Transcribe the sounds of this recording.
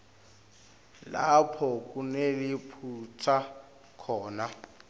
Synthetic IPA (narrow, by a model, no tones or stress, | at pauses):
lapʰɔk̬ʼunelipʰut͡sʰa | kʰɔːna